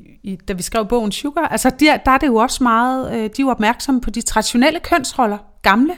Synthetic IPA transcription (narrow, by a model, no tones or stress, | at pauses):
id̥æʋisɡ̥ʁɛʊ̰b̥ɔ̽ʊ̰n̩ɕuɡ̥ɐʔælsəd̥ed̥ɑæɐɾ̥e̝jo̝ɒ̽smɑ̈ːð̩ˠød̥ioɒ̽b̥mæɐɡ̥sɒ̽məpʰɒ̽d̥it͡sʰʁɑ̈d̥iɕo̝nel̰əkʰœn̰sʁɒ̽lɐ | ɡ̥ɑ̈mlə